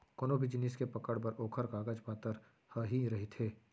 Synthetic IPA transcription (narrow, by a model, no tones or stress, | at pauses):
konobʱid͡ʒɪnɪskepɐkəɽpɐɾoːkʰəɾkaːɡəd͡ʒpaːt̪əɾ | həɦiɾɐɦit̪ʰeː